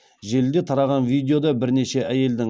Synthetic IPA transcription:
ʒe̞ld̪e̞t̪ʰɑɾɑʁɑnvijd̪eo̞d̪ɑbɪɾne̞ʃe̞ʔæje̞ld̪ɪ

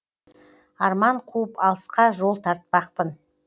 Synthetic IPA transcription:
ɑɾmɑɴqʰuəpɑlˠəsqɑʒo̞lˠt̪ʰɑɾt̪̚pɑq̚pən

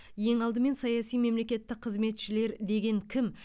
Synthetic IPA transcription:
je̞ŋɑlˠd̪əme̞nsɑjɑsijme̞mle̞kʲe̞t̪ːɪq̚qʰəzme̞t̪ʃɪle̞ɾd̪e̞ɡʲe̞ŋkʲʰɪm

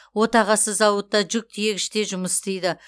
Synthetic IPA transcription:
wo̞t̪ɑʁɑsəzɑwət̪ːɑʒʏk̚t̪ʰijekʲɪʃt̪e̞ʒʊməst̪ejd̪ɪ

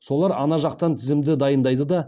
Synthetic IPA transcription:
so̞lˠɑɾɑnɑʒɑq̚t̪ɑnt̪ʰɪzɪmd̪ɪd̪ɑjənd̪ɑjd̪əd̪ɑ

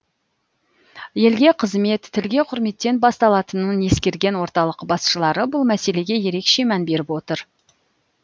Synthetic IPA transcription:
je̞lɡʲe̞qʰəzme̞t̪ʰːɪlɡʲe̞qʰʊɾme̞t̪ːe̞nbɑst̪ɑlˠɑt̪ənəne̞skʲe̞ɾɡʲe̞nwo̞ɾt̪ɑlˠəqbɑsʃəlˠɑɾəbʊlˠmæse̞le̞ɡʲe̞je̞ɾe̞kʃe̞mænbe̞ɾɪpwo̞t̪əɾ

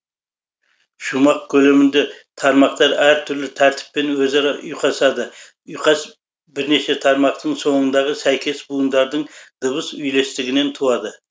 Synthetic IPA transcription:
ʃumɑq̚kʲʰɵle̞mɪnd̪e̞t̪ʰɑɾmɑq̚t̪ɑɾæɾt̪ʰʏɾlɪt̪ʰæɾt̪ʰɪ̥pːe̞nwɵzɑɾɑʔʊjqɑsɑd̪ə | ʊjqɑs | bɪɾne̞ʃe̞t̪ʰɑɾmɑq̚t̪əɴso̞ɴənd̪ɑʁəsæjkʲe̞sbujənd̪ɑɾd̪əɴd̪̥əβəsʏjle̞st̪ɪɡʲɪne̞nt̪ʰuwɑd̪ə

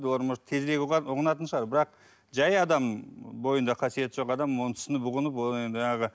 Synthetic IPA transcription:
d̪woɾməʃt̪ʰe̞zɾe̞ɡʲʊʁənɑt̪ənʃəʁɑɾbɪɾɑq̚ | ʒɑjɑd̪ɑmbo̞jənd̪ɑqʰɑsije̞t̪ɪʒo̞qɑd̪ɑmon̥snəbʊʁənəp̬woend̪ʒɑɴɑʁə

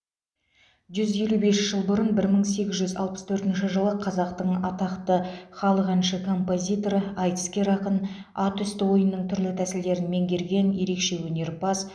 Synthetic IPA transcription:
ʒʏzje̞lube̞sʒ̥əlˠbʊɾənbɪɾməɴse̞ɡʲɪzʒʏzɑ̰lˠpə̥st̪ʰɵɾt̪ɪnʃɪʒəlˠəqʰɑzɑqt̪əɴɑt̪ɑqt̪əχɑlˠəqænʃəkʰo̞mpo̞zʲijt̪o̞ɾɑjk̪skʲe̞ɾɑqən | ɑt̪ʏst̪ɪwo̞jənːəɴt̪ʰʏɾlɪt̪ʰæsɪld̪e̞ɾɪnme̞ŋɡʲe̞ɾɡʲe̞nje̞ɾe̞kʃe̞wɵne̞ɾpɑs

